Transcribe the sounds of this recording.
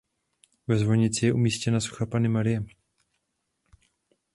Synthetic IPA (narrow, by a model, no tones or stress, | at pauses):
vɛzvoɲɪt͡sɪjɛʔumiːscɛnasu̥xapanɪmaɾɪjɛ